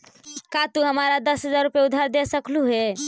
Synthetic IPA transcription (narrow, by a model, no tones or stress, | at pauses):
kat̪uɦəmaɾad̪əsɦəd͡ʒaɾːupjeud̪ʱaɾd̪esəkluɦe